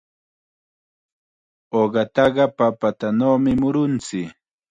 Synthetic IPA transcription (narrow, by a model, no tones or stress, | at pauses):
oɢɑt̪ɑɢɑpapat̪anawmɪmʊɾʊnt͡sɪ